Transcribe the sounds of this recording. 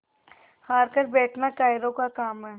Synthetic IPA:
haːɾkəɾbɛːʈʰnakaːɪɾõkakaːmɦɛː

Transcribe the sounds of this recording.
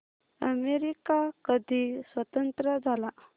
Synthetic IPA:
ə̰meɾikakəd̪ʱisʋət̪ənt̪ɾəd͡zʱala

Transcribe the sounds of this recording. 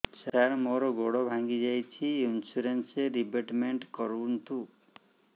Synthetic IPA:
saɾmoɾɔɡoɽɔbʱãŋɡid͡ʒajt͡ʃʰiinsuɾenseɾibeʈmeɳʈkɔɾunt̪u

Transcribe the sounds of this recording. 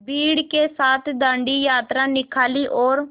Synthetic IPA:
biːɽkeːsaːt̪ʰd̪ãːɳɖiːjaːt̪ɾãːnɪkʰaːliːʔoːɾ

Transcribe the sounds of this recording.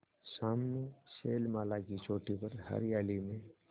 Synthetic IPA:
saːmneseːlmaːlakit͡ʃoːʈipəɾhə̰ɾjaːlimẽ

